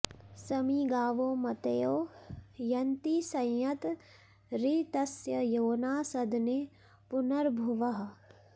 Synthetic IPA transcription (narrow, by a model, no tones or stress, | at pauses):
sɐmiɡaːʋoːmɐt̪ejoːjɐnt̪isɐ̃jjɐt̪ | ɾit̪ɐsjɐjoːnaːsɐd̪ne | pʊnɐɾbʱuʋɐɦɐ